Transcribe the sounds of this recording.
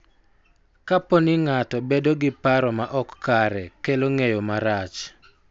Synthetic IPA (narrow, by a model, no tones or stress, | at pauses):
kaponɪŋatɔbedoɡɪpaɾɔmaʔɔkːaɾɛkeloŋejomaɾat͡ʃ